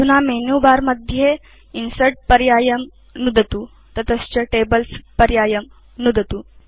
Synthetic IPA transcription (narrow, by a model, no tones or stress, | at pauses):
d̪unamenuːbaːɾmɐd̪ʱje | insɐɾʈ̚pɐɾjaːjəm | nud̪ət̪uː | t̪ɐt̪əst͡ʃɐʈebəlspɐɾjaːjəm | nud̪ʱət̪uː